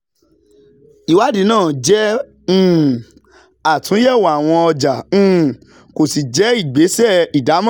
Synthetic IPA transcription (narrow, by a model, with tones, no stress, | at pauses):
i˨wa˦di˨˦nãː˦˨d͡ʒɛ̃˦˨ | a˨tũ˨˦jɛ˦˨wa˨w̃ɔ̃˧ɔ˧d͡ʒã˨˦˨ | ko˨si˨d͡ʒɛ˨˦i˦˨ɡ͡be˨˦sɛ˦˨i˨da˨˦mã˦